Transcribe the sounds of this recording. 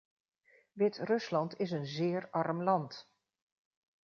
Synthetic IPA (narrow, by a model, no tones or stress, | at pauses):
ʋɪtrɵslɑntɪs̬ənzɪːɹɑɹmlɑnt